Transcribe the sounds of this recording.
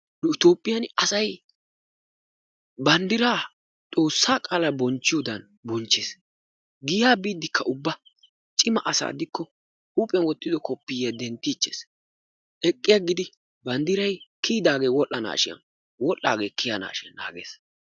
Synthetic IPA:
nʊɪt̪oːpʼːɪjɐnɐsɐj | bɐnd̪ɪɾaː | t̪ʼo̞ːsːaːkʼaːlɐbɔnt͡ʃːɪjʊd̪ɐn | bɔnt͡ʃːes | ɡɪjaːbiːd̪ːɪkʰːɐʔʊbːɐ | t͡ʃʼɪmɐʔɐsa̰ːd̪ɪkːɔ | huːpʼɛnwɔt̪ːɪd̪ɔkɔpːɪjɛd̪ɛnt̪ːɪːt͡ʃːḛːs | ʔɛkʼːɪjaɡɪd̪ɪ | bɐnd̪ɪɾɐjkiːd̪aːɡeːwɔʔːɐna̰ːʃɪjɐ̰n | wɔlːa̰ːɡeːkːɪjana̰ːʃɪɐnːa̰ːɡḛːs

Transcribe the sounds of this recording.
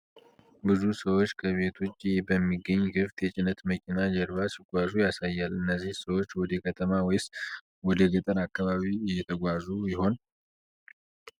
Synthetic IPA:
bɨzusəwot͡ʃːkʰəβe̞t̪ʰo̞t͡ʃːbəmːiɡːəɲːɡɨft̪jɛt͡ʃʼɪnət̪məkʰʼinad͡ʒəɾβasiɡʷazujasajːalɨnːəzːihsəwo̞t͡ʃːwɔd̪əkʰət̪ʰəmawjs | wɔd̪əɡət̪ʼəɾakːaβaβijɛt̪ʰəɡʷazujɪho̞n

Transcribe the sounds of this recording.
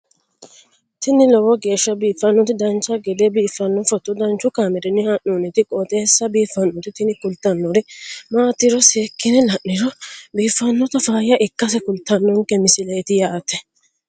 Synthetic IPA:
t̪ɪnɪlɔwɔɡe̞ːʃːɐbiːfːɐnːʊt̪ɪd̪ɐnt͡ʃːɐɡɛd̪ɛbiːfːɐnːɔfɔt̪ːʊd̪ɐnt͡ʃːʊkaːmɛɾɛnːɪhɐʔːunɪt̪ɪkʼɔt̪ʼeːsːɐbiːfːɐnːʊt̪ɪt̪ɪnɪkʊlt̪ːɐnːɔɾɛmaːt̪ɪɾɔseːkːɪnɛlɐʔːɪɾɔbiːfːɐnːɔt̪ɐfaːjɐʔɪkːɐs̬ɛkʊlt̪ːɐnːɔŋkɛmɪsɪlet̪ɪjaːʔɐt̪ːɛ

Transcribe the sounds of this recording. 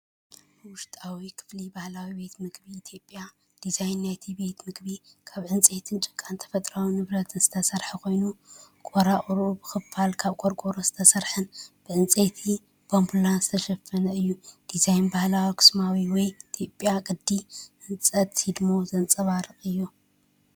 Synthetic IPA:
bwʊʃt̪ʼawikʰɨ̥flibahlawibe̞t̪mɨɡbiit̪ʰjo̞pʼːja | d̪̥izajnːajt̪ʰibe̞t̪mɨɡbikʰaβʕɨnt͡sʼe̞t̪ʰɨnt͡ʃʼɨ̥kʼant̪ʰɐ̥fɐt̪ʼɾawinɨβɾɐt̪ʰɨnz̥ɨt̪ʰɐsɐɾħikʰo̞jnukʼoɾaχʼɾubɨxɨfalkʰaβkʼoɾkʼoɾozɨt̪ʰɐsɐɾħɨnb̥ɨʕɨnt͡sʼet̪ʰi | bombulanzɨt̪ʰɐʃɐfːɐnɐɨjːud̪̥izajnbahlawikʰɨ̥smawiwɔjt̪ʰjo̞pʼjakʼɨd̪ːiʔɨnt͡sʼɐt̪sid̪mozɐnt͡sʼɐβaɾɨχʼɨjːu

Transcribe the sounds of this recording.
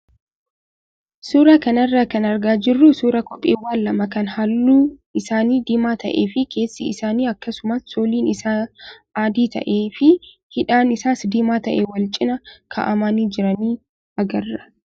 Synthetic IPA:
suːɾakɐnɐrːaːkɐnɐɾɡaːd͡ʒɪrːʊsuːɾɐkɔpʼːḛːwːaːlːɐmɐkɐnhɐlːuːɪsaːniːd̪ɪmaːt̪ɐ̰ʔeːfɪkʰe̞ːsːɪɪsaːniːɐkːɐsʊmɐsːoːliːnɪsaːaːd̪iːt̪ɐ̰ʔeːfɪ | hɪᶑaːnɪsaːsd̪ɪmaːt̪ɐʔewɐlt͡ʃʼɪnɐkʰɐ̰ʔɐmaːniːd͡ʒɪɾɐniː | ɐɡɐrːɐ̥

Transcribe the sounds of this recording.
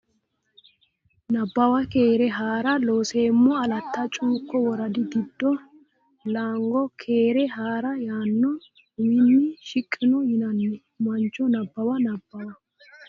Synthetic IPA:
nɐbːɐwɐkeːɾɛɦaːɾɐloːseːmːɔɐlɐt̪ːɐt͡ʃʼuːkːɔwɔɾɐd̪ɪɡɪd̪ːɔ | laːŋɡɔkʰeːɾɛɦaːɾɐjaːnːɔ | wɪnːɪʃɪkʼːɪnʊhɪnɐnːɪ | mɐnt͡ʃːɔnɐbːɐwɐnɐbːɐwɐ

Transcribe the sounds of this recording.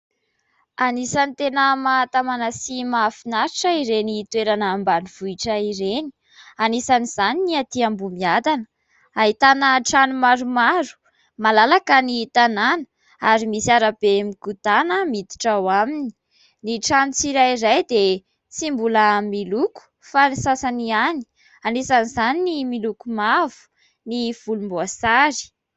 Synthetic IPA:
anisanit̪enəmat̪amanəsimafinaɾiʈ͡ʂəiɾenit̪weɾanaːmbaniv̥uiʈ͡ʂəiɾeni̥ | anisaniz̥aniniat̪iambumiad̪anə̥ | aɦit̪anəʈ͡ʂanumaɾumaɾu̥ | malalakənit̪ananə̥ | aɾimisaɾab̥emikut̪anəmid̪i̥ʈ͡ʂawamini̥ | niʈ͡ʂanut͡siɾajiɾajd̪e | t͡simbuləmiluku̥ | fanisasaniani̥ | anisanizaninimilukumavu̥ | niv̥ulumboasaɾi̥

